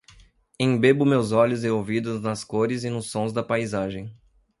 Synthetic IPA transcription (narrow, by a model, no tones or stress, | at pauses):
ẽj̃bebʊmewzɔʎʊzeowvid̪ʊznɐskoɾɪzɪnʊsːõzd̪ɐpajzaʒẽj̃